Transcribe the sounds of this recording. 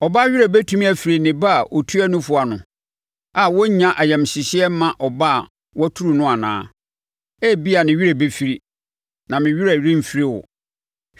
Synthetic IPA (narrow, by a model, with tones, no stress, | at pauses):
ɔ˨ba˦ɥi˦ɾa˨be˦tʰũ˦mĩ˦æ˨fi˨ɾi˨nɪ̃˨ba˦˨ʔo˨tʰu˦æ˦nʊ̃˦fʊ˦a˨nʊ̃˨ | a˨wɔ˦ɲã˦ʔa˨jɛ̃˨mɕɪ˨ɕɪ˦ɛ˦mã˦ʔɔ˨ba˦˨ | wɔ˦tʰu˦ɾu˨nʊ̃˦a˨nã̰ː˦ | ɛ˦bi˦a˨nɪ̃˨ɥi˦ɾa˨be˦fi˨ɾi˦ | nã˨mɪ̃˨ɥi˦ɾa˨ɾĩ˦m̩˨fi˦ɾi˦˨wɔ̰˨